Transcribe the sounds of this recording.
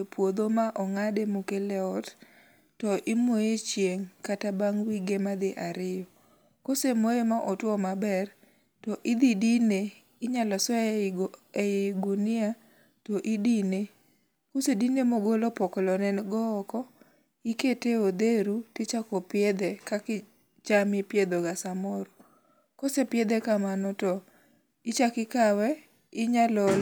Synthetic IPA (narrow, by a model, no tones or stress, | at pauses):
epwod̪omaʔɔŋademukelɛɔt | tɔʔɪmojet͡ʃjeŋkatabaŋwiɡemad̪ɪʔaɾɪjɔ | kosemoemaʔɔtwɔmabɛr | tɔʔɪd̪idine | ɪɲalɔsɔ | eɡunɪa | tɔʔidine | kusedinemoɡolɔpɔkɔlɔnɛnɡɔːkɔ | iketeod̪eɾutɪt͡ʃakɔpɪed̪ekakɪ | t͡ʃamɪpjed̪oɡasamɔɾɔ | kosepjed̪ekamanɔtɔ | ɪt͡ʃakɪkawɛ | ɪɲalɔ